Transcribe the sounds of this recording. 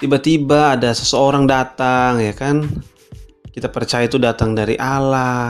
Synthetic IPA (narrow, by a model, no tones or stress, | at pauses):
t̪ibat̪ibaːdasə̥səoɾaŋdat̪aŋjakan | kit̪apərt͡ʃajat̪udat̪aŋdaɾḭʔala